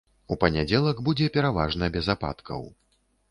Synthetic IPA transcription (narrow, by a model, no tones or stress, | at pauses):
upɐnʲad͡zʲɛlˠɐɡbud͡zʲɛpʲɛɾavaʐnɐbʲɛzapa̰t̪kʰɐ̰w